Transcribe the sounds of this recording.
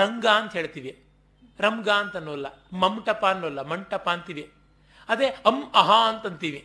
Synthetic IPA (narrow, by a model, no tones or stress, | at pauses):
ɾɐŋɡaːɐnt̪ɐɦeːɭt̪iːʋi | ɾɐŋɡaːɐnt̪ɐnːuːʋɐlːɐ | mɐmʈɐpaːnːuʋɐlːɐmɐɳʈɐpaːɐnt̪iːʋi | ɐd̪eːɐmɐɦaɐnt̪ɐnt̪iːʋi